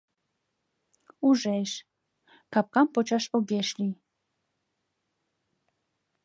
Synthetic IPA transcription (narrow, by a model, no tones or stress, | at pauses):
uʒɛʃ | kap̚kampɔt͡ʃʰaʃɔɡɛʃli